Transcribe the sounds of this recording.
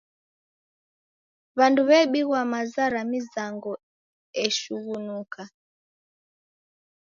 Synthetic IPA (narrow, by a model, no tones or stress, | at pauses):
βanduβɛɓiɣwamazaɾamizaŋɡɔ | ɛʃuɣunukʰa